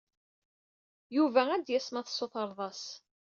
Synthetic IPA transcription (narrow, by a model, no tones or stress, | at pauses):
juvææd̪jæsmɑθsːoθəɾˤðˤɑs